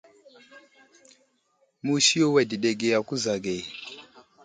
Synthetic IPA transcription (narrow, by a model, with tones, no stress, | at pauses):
mu˦ʃi˦ɔ˦wɛ˨di˨ɗɛ˨ɡɛ˨a˨ku˦za˨ɡɛ˨